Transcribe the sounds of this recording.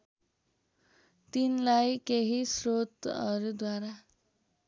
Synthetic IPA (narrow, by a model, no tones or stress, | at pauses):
t̪inlajkeɦisrot̪ʌɾud̪waɾa